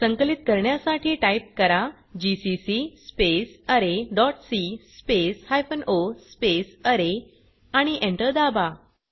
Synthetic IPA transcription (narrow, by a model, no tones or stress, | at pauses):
səŋkəlit̪kəɾɳjasaʈʰiːʈaip̚kəɾa | d͡ʑisisispesəɾeɖɔʈsispeshajfənospesəɾe | aɽ̃iʔẽɳʈəɾd̪aba